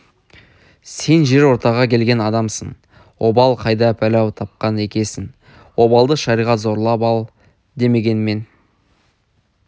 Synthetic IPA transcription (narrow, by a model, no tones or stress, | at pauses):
se̞nʒe̞ɾwo̞ɾt̪ɑʁɑkʲʰe̞lɡʲe̞nɑd̪ɑmsəɴ | wʔo̞bɑlˠqʰɑjd̪ɑpʰælæwt̪ʰɑp̚qɑne̞kʲe̞sɪŋ | wo̞bɑlˠd̪əʃɑɾijʁɑt̪zo̞ɾlˠɑpɑlˠ | d̪e̞me̞ɡʲe̞nme̞n